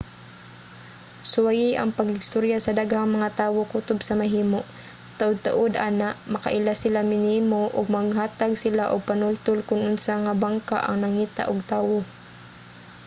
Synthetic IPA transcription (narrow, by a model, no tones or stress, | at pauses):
sʊwajɪʔɐŋpɐɡhɪst̪oɾjasɐd̪aɡhaŋmɐŋat̪aːwokut̪ʊbsɐmaɦiːmoʔ | t̪aʔʊd̪̚t̪a̰ʔʊd̪ʔaːnaʔmɐka̰ʔɪlasɪlamɪniːmoʔʊɡ̚maɡɦaːt̪aɡsɪlaʔʊɡ̚panʊlt̪ʊlkʊnʔʊnsaŋabaŋkaʔɐ̰ŋnɐŋiːt̪a̰ʔʊɡ̚t̪aːwo